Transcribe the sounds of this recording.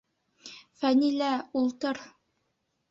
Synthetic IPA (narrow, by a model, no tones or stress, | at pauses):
fænilæulˠt̪ɤɾ